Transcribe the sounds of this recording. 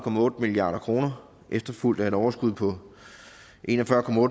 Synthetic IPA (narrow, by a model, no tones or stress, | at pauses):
kʰɒ̽mæɔ̽ːd̥əmiliɑ̰̈ːɾɐkʰʁo̝ːnɐ | ʔefd̥ɐful̰d̥æe̝ɾɒʊɐsɡ̥uð̰ˠpʰɒ̽ | ʔe̝næfɶɐkʰɒ̽mæɔːd